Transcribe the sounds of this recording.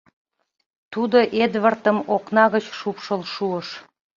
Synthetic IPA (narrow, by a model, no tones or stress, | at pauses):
t̪ud̪oʔed̪βərt̪əmoknɑɣət͡ɕʃupʃəlʃuəʃ